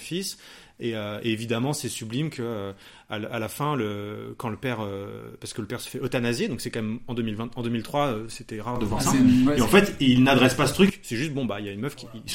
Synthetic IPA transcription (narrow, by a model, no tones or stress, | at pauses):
fis | eøeevid̪amɑ̃sɛsyblimkʰəø | alalafɛ̃ləkɑ̃ləpɛʁøpaʁsəkələpɛʁsə̥fɛɔt̪anazjed̪ɔ̃ksɛkɑ̃mɛmɑ̃d̪ømilvɛ̃t̪ɑ̃d̪ømilt̪χwaøset̪ɛʁaʁd̪əvwaʁsaeɑ̃fɛt̪ilnad̪ʁɛspasə̥t̪χyksɛʒyst̪̚bɔ̃bailjaynmœfkʲi